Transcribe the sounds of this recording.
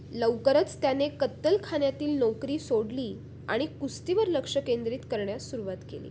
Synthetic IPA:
ləwkəɾət͡st̪janekət̪ːəlkʰanjat̪iːlnɔwkɾiːsoɽliː | a̰ɽ̃ikust̪iʋəɾləkʂəkend̪ɾiːt̪kəɾɳjasuɾuʋat̪kḛlḭː

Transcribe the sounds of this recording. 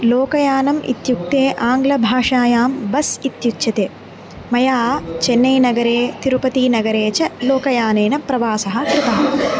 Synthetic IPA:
loːkɐjaːnɐmḭt̪juk̚t̪eːʔaːŋɡlɐbʱaːʂaːjaːmbɐsit̪jukːt͡ʃɐt̪eː | mɐjaːt͡ʃenːɐjnɐɡɐɾeːt̪iɾupɐt̪iːnɐɡɐɾeːt͡ʃɐloːkɐjaːneːnɐpɾɐʋaːsɐɦɐ̆kɾɪt̪ɐɦɐ

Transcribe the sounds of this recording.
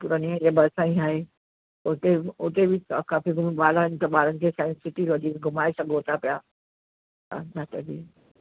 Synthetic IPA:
pʊɾaːniə̃d͡ʑabʱɐɾsãːĩaːɦe | ʊt̪eʊt̪ebʱɪkakaːfiɡʱʊmiɓaːlaɦɪnɪ̆t̪ɐɓaːlənɪ̆kʰeːsãɪ̃nssɪʈiɾod͡ʑiːkɡʱʊmaːesɐɡoːt̪apija | a̰nat̪ɐbiː

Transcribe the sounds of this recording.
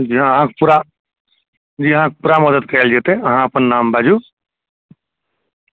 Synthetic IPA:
d͡ʒiɦãɦãkpuɾa | d͡ʒiːəɦãkepuɾaməd̪əd̪̚kəeld͡ʒet̪eɐɦãəpənːaːmbʱad͡ʒu

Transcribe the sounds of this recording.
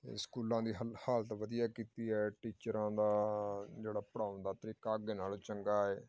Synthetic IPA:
t̪ḛskuːlãːd̪iːɦhaːlət̪ʋəd̪ijaːkiːt̪iːɦɛːʈiːt͡ʃəɾãːd̪aːd͡ʒeːɽaːpəɽaːʊnd̪aːt̪əɾiːkaːɡeːnaːloːt͡ʃəŋɡaːɛː

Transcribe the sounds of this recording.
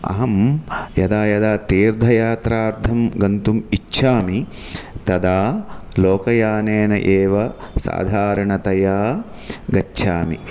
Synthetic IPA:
ɐ̰ɦɐmjɐd̪aːjɐd̪aːt̪iːɾd̪ʱɐjaːt̪ɾaːɾt̪ʰɐmɡɐnt̪umit͡ʃːʃʰaːmi | t̪ɐd̪aːloːkɐjaːneːnɐ̰ʔeːʋɐsa̰ːd̪ʱaːɾɐɳɐt̪ɐjaː | ɡɐtːʃʰaːmḭ

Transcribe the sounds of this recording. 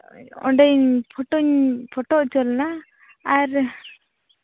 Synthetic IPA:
ɔ̰ɖɛɲpʰɔʈɔɲpʰɔʈɔʔt͡ʃɔlnaː | ɾ

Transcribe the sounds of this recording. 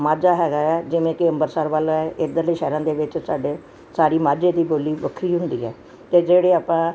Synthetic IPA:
maːd͡ʒaːɦɛːɡaːɛːd͡ʒɪʋẽːkɪəmbəɾsaːɾʋaːlaɛʔɪd̪əɾleʃɛːɾãːd̪eːʋɪt͡ʃsaːɖeː | saːɾiːmaːd͡ʒeːd̪iːboːliːʋəkʰɾiːɦʊnd̪ḭːɛː | t̪eːd͡ʒeːɽeːaːpãː

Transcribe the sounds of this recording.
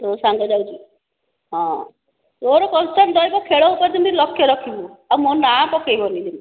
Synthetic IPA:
tosaŋɡɔd͡ʒawd͡ʒi | ɦɔ̃ | toɾɔkɔnsʈand̪ɔjbɔkʰeɭɔɦupaɾt̪int̪ilɔkʰjɔɾɔkʰibuawmonapɔkejbɔnilim

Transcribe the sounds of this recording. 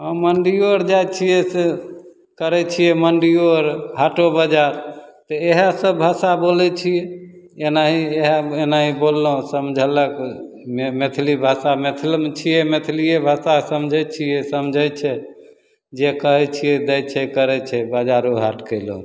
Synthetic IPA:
ɦə̃məɳɖioɾd͡ʒajt͡ʃʰijese | kəɾɛt͡ʃʰijɛməɳɖioɾɦaʈobad͡ʒaɾt̪ɔeɦãsəbbʱasabolɛt͡ʃʰijɛenaɦieɦaenaɦibolːɦõsəmd͡ʒʱələk | mmet̪ʰlibʱasamet̪ʰlmet͡ʃʰijɛmet̪ʰlijebʱasasəmd͡ʒʱɛt͡ʃʰijɛsəmd͡ʒʱət͡ʃʰɛ | d͡ʒekəɦɛt͡ʃʰijɛd̪ɛjt͡ʃʰɛkəɾɛt͡ʃʰɛbad͡ʒaɾoɦaʈkəlo

